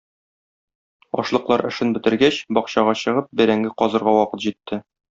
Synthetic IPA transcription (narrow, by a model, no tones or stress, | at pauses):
ɒ̰ʃlˠɤ̆qlˠɑɾɘ̆ʃɘnbɘ̆t̪ɘ̆ɾɡæɕbɒqɕɑʁɑɕɤ̆ʁɤp̚bɘ̆ɾæŋɡɘqɒzɤ̆ɾʁɑwɒqɤt̪ʑit̪ːɘ